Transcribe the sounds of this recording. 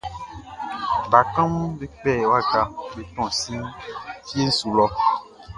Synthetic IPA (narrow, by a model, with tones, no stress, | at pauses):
ba˨kã˦m̃˦be˦k͡pɛ˦˨wa˦ɡa˨be˨tɔ̃˦˨sĩ˦ŋ˦fi˦e˦n̩˦su˨lɔ˦